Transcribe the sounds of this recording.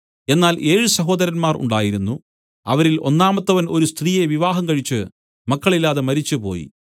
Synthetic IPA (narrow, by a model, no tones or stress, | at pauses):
e̞nːaːlʔe̞ːɻɨsɐɦo̞ːd̪ɐɾɐnmaːrʔṵɳɖaːjiɾunːu | ɐ̰ʋɐɾilo̞̰nːaːmɐt̪ːɐʋɐno̞ɾust̪riːje̞ʋiʋaːɦɐmkɐɻit͡ɕːɨ | mɐkːɐɭilːaːðemɐɾit͡ɕːɨpo̞̰ːjḭ